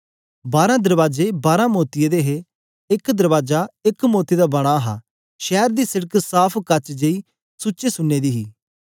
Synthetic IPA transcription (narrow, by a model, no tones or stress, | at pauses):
baːɾãːd̪əɾʋaːd͡ʒeːbaːɾãːmoːt̪ɪjeːd̪eːɦe | ɪkd̪əɾʋaːd͡ʒaːɪkmoːt̪id̪aːbəɽ̃aɦa̰ː | ʃɛːɾd̪iːsɪɽəksaːpʰkɐt͡ʃd͡ʒeiː | sʊːt͡ʃeːsʊnːeːd̪iːɦiː